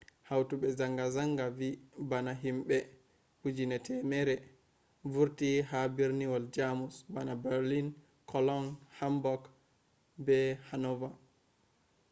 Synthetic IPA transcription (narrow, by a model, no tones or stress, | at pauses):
hawtuɓɛzaŋɡazaŋɡavibanaɦimɓɛ | bud͡ʒinɛtʰɛmɛɾɛ | vuɾtiɦabiɾniwɔld͡ʒamusbanabɛɾlin | kɔlɔnhambɔk | bɛhanɔva